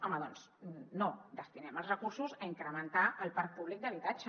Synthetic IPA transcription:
ɔməðɔns | nod̪əst̪inɛməlˠzrəkuɾsuzəiŋkɾəmənt̪aʔəlˠpaɾk̚puβlik̚d̪əβit̪ad͡ʒə

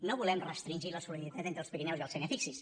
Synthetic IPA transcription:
noβulɛmrəst̪ɾinʲʒiləsulənit̪at̪ent̪ɾəlˠspəkinɛwziəlˠsenəfiksis

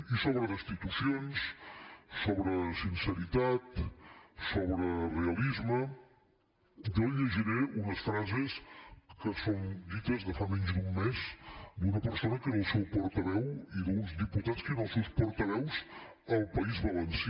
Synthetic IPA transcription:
isoβɾəðəst̪it̪usionsː | oβɾəsinsəɾit̪at̪ | soβɾəreəlizmə | ʒoiʎəʒiɾeunəsfɾazeskəsond̪it̪əzðəfamɛɲzd̪umːezd̪unəpəɾsonəkənəlˠsɛwpɔɾt̪əβɛwiðunzdiput̪at͡skənəlˠsɛwspɔɾt̪əβɛwz | əlˠpəizβəlɛns

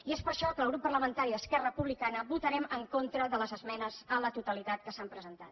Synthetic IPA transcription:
iespəɾʃɔkəlˠɣɾupːərləmənt̪aɾiðəskɛrəpuβlikanəβut̪əɾɛməŋkont̪ɾəðələzəzmɛnəzələt̪ut̪əlit̪at̪kəsampɾəzənt̪a̰t̪

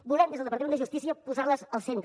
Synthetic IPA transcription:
bulˠɛmd̪ezðəlˠəpɾt̪əmend̪əʒust̪isiəpuzarləzəlˠsent̪ɾə

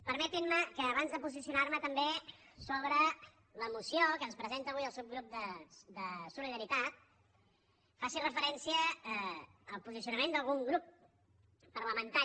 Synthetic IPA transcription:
pəɾmɛt̪inməkəːβanzðəpuzisiunaɾmət̪əmbe | soβ̞ɾə | ləmusiokənspɾəzent̪əːβujəlˠsewɣɾup̚d̪əd̪əsuliðəɾit̪at̪̚ | fasirəfəɾɛnsiəː | lˠpuzisijunəmend̪əlˠɣuŋɡɾupː | ərləmənt̪a

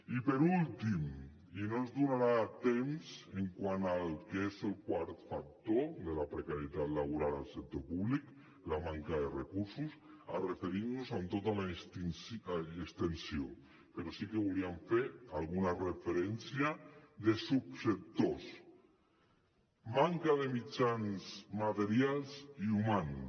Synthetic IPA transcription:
ipeɾult̪im | inonzðunaɾat̪emseŋkwanalkezelkwaɾt̪fak̚t̪oðelapɾekaɾjet̪at̪laβ̞uɾalalˠsek̚t̪opuβlik | lamaŋkaðerekuɾsusarefeɾiɾnuzant̪ot̪alast̪insekst̪ensio | peɾɔsikeβuliaɱfeɾalɣunarefeɾɛnsjaðesupsek̚t̪os | maŋkaðemit͡ʃanzmat̪eɾialˠziuman

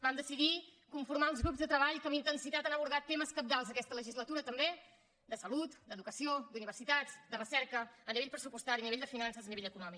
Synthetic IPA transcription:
bamd̪əsiðikuɱfuɾmaəlˠzɣɾupzðət̪ɾəβaʎkəmint̪ənsit̪at̪anəβuɾð̞at̪ːeməskəp̚d̪alˠzəkɛst̪ələʒizlət̪uɾət̪əmbe | d̪əsəlut̪d̪əðukəsiod̪uniβ̞əɾsit̪ad͡zd̪ərəsɛɾkəːniβeʎpɾəsupust̪aɾiəniβeʎd̪əfinansəzəniβeʎəkunɔmik

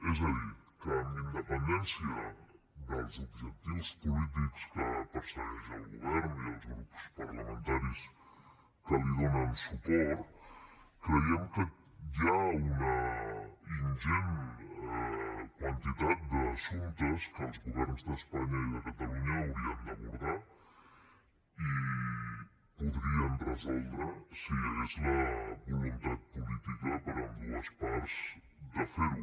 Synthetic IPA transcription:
ɛzai | kəːmind̪əpənd̪ɛnsjə | ðəlˠzubʒək̚t̪iwspulit̪̬ikskəpəɾsənɛʒəlˠɣuβɛɾniəlˠzɣɾupu̥spɐɾləmənt̪aɾis | kəliðonənsupɔɾt̪kɾəiɛmkə | ʒaunɐ | inʒen | kwant̪it̪at̪̚d̪əsunt̪əskəlˠzɣuβɛɾnzðəspaɲəiləkat̪əluɲəuwɾiənd̪əβuɾða | i | puðɾiənrəzɔlˠd̪ɾəsiezləβulunt̪at̪̚pulit̪ikəpəɾəmbuəspɔɾz | d̪əfeɾ

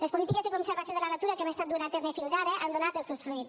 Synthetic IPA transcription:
lespolit̪ikezðekonseɾβasjoðelanat̪uɾakemest̪at̪̚d̪uɾant̪eznefioʒaɾeʔand̪onat̪elˠsewsit

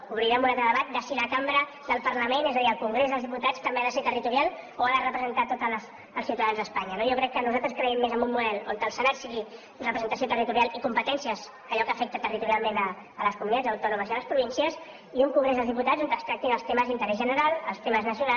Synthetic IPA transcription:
uβɾiɾamunat̪ɾəðəβat̪̚d̪əsiləkambɾə | ðəlˠpəɾləmenezəðiəlˠkuŋɡɾezðəlzðiput̪at͡st̪əmbeaðəseɾt̪ərit̪uɾialˠoaðərəpɾəzənt̪at̪ot̪əlsː | lˠsiwt̪əðanzðəspaɲənojokɾɛkːənuzalt̪ɾəskɾəɛmːezəmbumːuðɛlo̰nt̪əlˠsənat̪siɣi | nrəpɾzənt̪əsiot̪ərit̪uɾialˠikumpət̪ɛnsijəz | əʎɔkəːfɛk̚t̪ət̪ərit̪uɾijalˠmẽnəː | ləskumunit̪ad͡zəwt̪ɔnuməziələspɾuβinsiəs | iuŋkuŋɡɾezðəlzðiput̪azont̪əst̪ɾak̚t̪inəlˠst̪eməzint̪əɾɛzʒənəɾalˠəlˠst̪eməznəsiuna

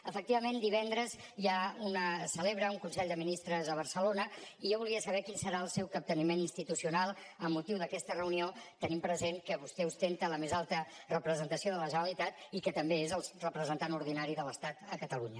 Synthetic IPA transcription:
əfək̚t̪iβəmend̪iβ̞ɛnd̪ɾəzjaunəsəleβɾəuŋkunsɛʎd̪əminist̪ɾəzðəβ̞əɾsəlonəiʒoβulˠiəsəβɛkinsəɾaəlˠsɛwkəp̚t̪ənimeninst̪it̪usiunalˠ | əmːut̪iwðəkɛst̪ərəuniot̪ənimpɾəzeŋkəβust̪ɛust̪ent̪ələmezalˠt̪ə | rəpɾəzənt̪əsioðələʒənəlit̪at̪ikət̪əmbeezəlˠrəpɾəzənt̪anuɾðinaɾiðələst̪at̪əkət̪əluɲə

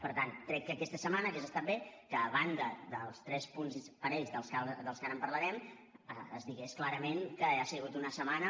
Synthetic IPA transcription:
pəɾt̪ankɾɛkːəkɛst̪əsəmanəkezəst̪abekəːβ̞and̪əðəlˠst̪ɾɛspunzpəɾeʎzðəlˠskad̪əlˠskanəmpəɾləɾɛm | əəzd̪iɣesklaɾəmeŋkəasiɣut̪unəsəmanə

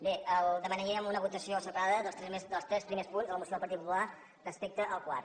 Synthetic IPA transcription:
beəlˠd̪əmənəɾiəmunəβut̪əsiosəpaðəðəlˠst̪ɾɛmesd̪əlˠst̪ɾɛspɾimespunzələmusioðəlˠpəɾit̪pupula | rəspek̚t̪əʔəlˠkwa̰r

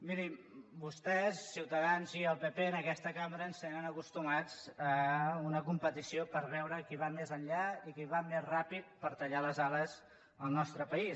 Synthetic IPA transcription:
miɾibust̪ɛsːiwt̪əðanziəlˠpepeənəkɛst̪əkaməɾəːnst̪enənəkust̪umad͡zəunəkumpət̪isiopəɾβɛwɾəkiβ̞amezənʎaikiβ̞amezrapit̪̚pəɾt̪əʎaləzaləz | əlˠnɔst̪ɾəpəis

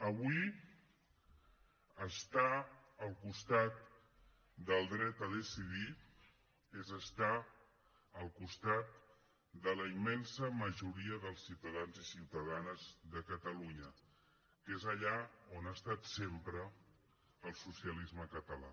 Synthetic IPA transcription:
əβui | əst̪aəlˠkust̪at̪̚ | d̪əlˠd̪ɾɛt̪əðəsiði | ezəst̪a | əlˠkust̪at̪̚ | d̪ələimɛnsəməʒuɾiəðəlˠsːiwt̪əðanzisiwt̪əðanəzðəkət̪əluɲə | kezəʎaonast̪at̪sempɾə | əlˠsusiəlizməkət̪əla̰

